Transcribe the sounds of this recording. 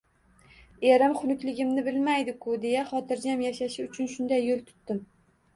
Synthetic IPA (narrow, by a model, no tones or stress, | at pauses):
e̞ɾɪmχʊnʊkʲlɪɡʲɪmnɪbɪlmajd̪ɪkʰʊd̪e̞jaχɒt̪ʰɪɾd͡ʒamjaʃaʃɪʊt͡ʃʰʊnʃʊnd̪ajːolˠt̪ʰʊ̥t̪ːɪm